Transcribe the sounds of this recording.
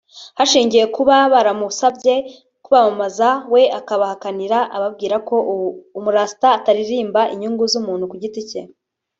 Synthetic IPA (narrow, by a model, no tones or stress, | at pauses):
haʃiːɲɟije̞kuβaβaɾamuβusabɟe̞ | kuβamamazawe̞ʔakaβahakaniɾaʔaβab̚ɡiːɾako̞umuɾaːsi̥taːtaɾiɾiːmbaʔiɲuŋɡuzumuːnhukuɟitice